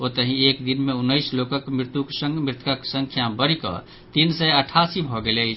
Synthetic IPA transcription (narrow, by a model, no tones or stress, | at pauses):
ot̪əɦĩekd̪inmeunːəjslokəkmɾt̪ukesə̃ŋɡmɾɪt̪kəksəŋkʰjabəɾikɔ̰ | t̪insəəʈʰasibʱɔɡelet͡ʃʰ